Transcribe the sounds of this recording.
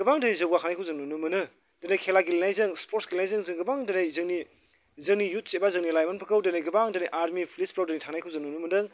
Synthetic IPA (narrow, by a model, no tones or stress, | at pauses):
ɡɯbaŋdɯnizɯbɡakʰanajkʰɯwzɯŋnunumɯnɯ | d̥ɯnajkʰelaɡilinajzɯŋspʰoɾtsɡilenajzɯŋzɯŋɡɯbaŋdɯnajzɯŋni | zɯŋnijut̚sebazɯŋnilajmanpʰɯkɯwdɯnajɡɯbaŋdɯniʔaɾmipʰlispɾawdɯnitʰaŋnajkʰɯwzɯŋnunumɯndɯŋ